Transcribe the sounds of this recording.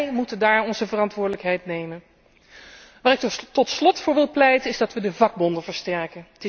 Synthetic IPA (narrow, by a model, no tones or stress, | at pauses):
jmutəndaːɹɔnzəvərɑntʋʊːɹdələkɦɛjtnejmən | ʋaːɾɪk̚tɔtslɔtfʊːɹʋɪlˠplɛjtənɪzdɑtʋədəvɑɡ̚bɔndəvəɹstɛɹkəntɪ